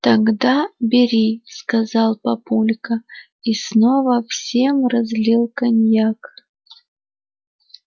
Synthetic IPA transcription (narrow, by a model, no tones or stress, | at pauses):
t̪ɐɡd̪abʲɪɾʲiskɐzɑlˠpɐpulʲkə | isnovəfsʲe̞mrɐzʲlʲilˠkɐnʲjak